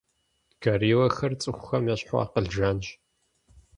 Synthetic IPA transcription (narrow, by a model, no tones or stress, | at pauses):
kʰɐɾiːwɐxɐrt͡sʼɨxʷʊxɐmjɐɕħʷɔ̰ːqəɮʒanʒ